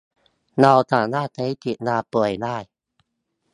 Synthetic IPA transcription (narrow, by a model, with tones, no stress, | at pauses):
na˧wt̪ʰaː˨˩˦naː˥˨k̪a˧˦t̪i˨˩t̪̚naː˧pɯ˨˩əjnaː˥˩j